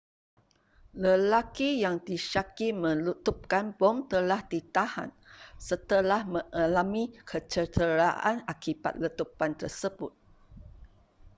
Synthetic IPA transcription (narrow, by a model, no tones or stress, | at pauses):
ləlakijaŋdiʃakimə̃lut̪up̚kanbɔmt̪əlahdit̪aha̰n | sət̪əlahmə̃ʔalamikʰət͡ʃət̪əɾaʔa̰nakiba̰t̪̚lət̪upant̪ərsəbʊt̪̚